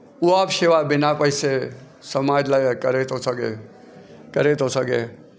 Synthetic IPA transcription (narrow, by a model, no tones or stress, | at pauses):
uaːpʃeʋabɪnapəɪse | səmaːd͡ʒlajəkəɾet̪osəɡḛ | kəɾet̪ɦosəɡḛ